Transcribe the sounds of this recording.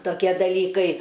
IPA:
toːˈkʲiɛ dɐˈlʲiːkɐɪ

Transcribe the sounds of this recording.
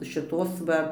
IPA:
ʃʲɪˈtoːs ʋɐ

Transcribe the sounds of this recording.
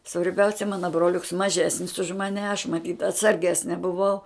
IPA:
sʋɐrʲˈbʲɛʊsʲɛ ˈmɑːnɐ broːˈlʲʊks mɐˈʒʲæːsʲnʲɪs ʊʃ mɐˈnʲɛ ɐʃ mɐˈtʲiːt ɐtsɐrʲˈɡʲæːsʲnʲɛ bʊˈʋɐʊ

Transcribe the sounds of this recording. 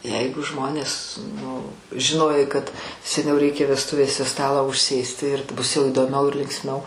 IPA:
ˈjɛɪɡʊ ˈʒmoːnʲeːs nʊ ʒʲɪˈnoːjɛɪ kɐt sʲɛˈnʲɛʊ rʲɛɪˈkʲeː ʋʲɛsˈtʊʋʲeːsʲɛ ˈstɑːlˠɑː ʊʃʲˈsʲeːsʲtʲɪ ɪr ˈbʊs jɛʊ iːdoːˈmʲɛʊ ɪr lʲɪŋksʲˈmʲɛʊ

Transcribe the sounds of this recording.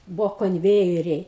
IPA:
ˈbʊʋoː koːnʲˈʋʲeːjɛrʲɛɪ

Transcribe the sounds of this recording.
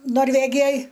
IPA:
noːrʲˈʋʲæːɡʲɪjoːj

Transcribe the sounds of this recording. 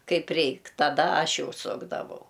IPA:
ˈkɐɪp ˈrʲɛɪk tɐˈdɐ ˈɐʃ ˈjɛʊ ˈsʊɡdɐʋɐʊ

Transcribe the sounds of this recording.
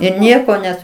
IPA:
ɪr ˈnʲiɛkoː ˈnʲɛs

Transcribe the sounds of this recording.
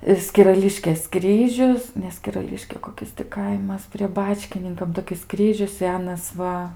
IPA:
ɪ sʲkʲɪrɐˈlʲɪʃʲkʲeːs ˈkrʲiːʒʲʊs nʲɛ sʲkʲɪrɐˈlʲɪʃʲkʲeː koːˈkʲɪs tʲɪ ˈkɐɪmɐs pʲrʲiɛ ˈbɑːt͡ʃʲkʲɪnʲɪŋkɐm toːˈkʲɪs ˈkrʲiːʒʲʊs ˈsʲæːnɐs ˈʋɐ

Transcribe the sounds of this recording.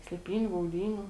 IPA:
sʲlʲeːˈpʲiːnʲʊ ɡɐʊˈdʲiːnʲuː

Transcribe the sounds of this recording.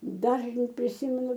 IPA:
ˈdɑːʒnɐɪ pʲrʲɪˈsʲɪmʲɛnʊ

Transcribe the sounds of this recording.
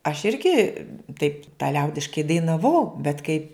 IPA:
ɐʃ ˈɪrʲɡʲɪ tɐɪp tɐ ˈlʲɛʊdʲɪʃkɐɪ dɐɪnɐˈʋɐʊ bʲɛt kɐɪ

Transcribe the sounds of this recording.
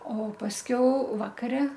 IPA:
oː pɐsʲˈkʲɛʊ ˈʋɑːkɐrʲɛ

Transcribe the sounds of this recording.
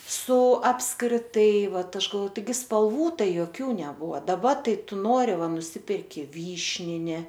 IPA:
sʊ ɐpskrʲɪˈtɐɪ ˈʋɐt ˈɐʃ ɡɐlˠˈʋoː tɐɪˈɡʲɪ spɐlˠˈʋuː ˈtɐɪ joːˈkʲuː nʲɛˈbʊʋɐ dɐˈbɐ ˈtɐɪ ˈtʊ ˈnoːrʲɪ ˈʋɐ nʊˈsʲɪpʲɛrʲkʲɪ ˈʋʲiːʃʲnʲɪnʲɪ

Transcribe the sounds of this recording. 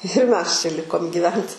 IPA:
ɪr mʲɛs t͡ʃʲɛ ˈlʲɪkoːm ɡʲiːˈʋʲɛnt

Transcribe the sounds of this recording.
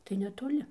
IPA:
tɐɪ nʲɛtoːˈlʲɪ

